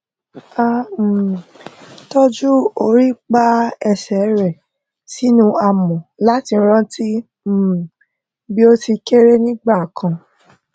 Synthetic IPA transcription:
a˦˨ | to˦d͡ʒu˦o˧˨ɾi˦k͡pa˦ɛ˧sɛ˨˦ɾɛ˨ | si˦nũ˦a˨mɔ̃˨la˦ti˧˦ɾ̃ã˦ti˦˨ | bi˦o˦ti˧ke˦ɾe˦nĩ˦ɡ͡ba˦˨kʰã˨

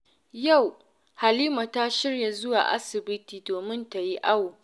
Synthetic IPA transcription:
ja˦˨w | ha˨liː˦ma˨ta˦ʃɪ˦rja˨zʊ˦wa̰˨ʔa̰˦sɪ˨bɪ˦tiː˨doː˨mɪ˦nta˨ji˦ʔa˦woː˨

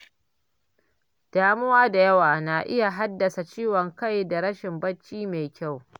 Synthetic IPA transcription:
d̥aː˦mʊ˦waː˦da˨jɐ˦waː˨na˨ʔɪ˦ja˨ɦa˦dːɐ˨sa˨t͡ʃiː˦wɔ˨ŋka˦jda˨ɽɐ˦ʃɪ˨mbɐ˦t͡ʃːiː˦me˨jkʲa˦˨w

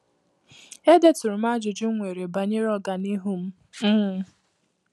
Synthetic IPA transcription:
e˦de˦tʊ˨ɾʊ˨ma˦d͡ʒʊ˨d͡ʒʊ˦ŋʷe˨ɾe˨ba˨ɲe˦ɾɔ˦ɡa˨ni˦ɦu˦m̩˦ | m̩˦

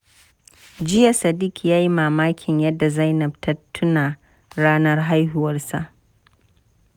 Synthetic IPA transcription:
d͡ʒɪ˦ja˨sɐ˨dɪ˦kʲjaː˦ji˦maː˨maː˦kʲʰɪ˨ɲjɐ˦dːa˨za˦jnɐ˨b̚tʰɐ˦tʰːʊ˦naː˨ | ɽaː˦nɐ˦rɦa˦jɦʊ˦wɐ˦rsa˨ʔ

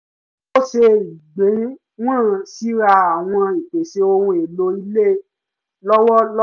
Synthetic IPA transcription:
o˦ʃe˧i˨ɡ͡bẽ˨˦ | w̃ãː˦˨si˨˦ɾa˧a˨w̃ɔ̃˧i˨k͡pe˨ʃe˧o˧ɾũ˧e˨lo˧i˧le˦˨ | lɔ˦wɔ˦l

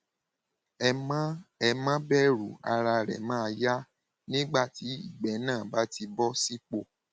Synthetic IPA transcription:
ɛ˨mã˦bɛ˦˨ɾu˨a̰˧ɾa˧ɾɛ̰˨mã˦˧ja˦ | nĩ˦ɡ͡ba˦˨ti˨˦i˦˨ɡ͡bɛ˨˦nãː˦˨ba˨˦ti˧bɔ˦si˦k͡po˦˨

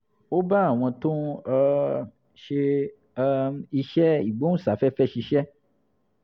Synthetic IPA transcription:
o˦ba˦a˦˨w̃ɔ̃˧tõ˦˧ | ʃe˧ | i˧ʃɛ˦i˨ɡ͡bõ˦sa˨˦fɛ˦fɛ˦ʃi˧ʃɛ˦

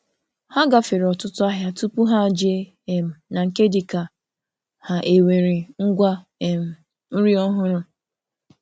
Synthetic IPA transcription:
ha˦ɡa˨fɪ˨ɾɔ˨tʊ˦tʊ˦a˦ɦja˦tu˦pu˦ɦa˦˨d͡ʒe˦˨ | m̩˨na˨ŋ̩˨ke˦di˨ka˨ | ha˨ʔe˨we˨ɾi˨ŋ̩˦ɡʷa˦˨ | m̩˨ | n̩˦ɾi˦ɔ˦ɦʊ˦ɾʊ˦

